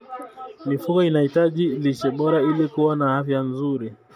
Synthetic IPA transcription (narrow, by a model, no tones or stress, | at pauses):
mifukɔinahitaʄilit͡ʃɛɓɔɾailikuwanaafjanzuɾi